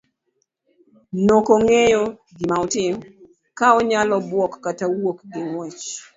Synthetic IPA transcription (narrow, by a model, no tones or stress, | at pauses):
nokoŋejo | ɡɪmaɔtɪm | kaɔɲalɔbwɔkːatawokɡɪŋwɛt͡ʃ